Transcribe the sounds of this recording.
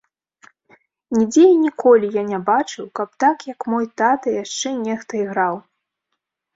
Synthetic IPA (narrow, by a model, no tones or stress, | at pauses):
nʲid͡zʲeinʲikɔlʲijanʲabat͡ʂɨwkɐp̚t̪akjɐkmɔjt̪at̪ɐjaʂt͡ʂɛnʲɛxt̪ɐiɣɾaw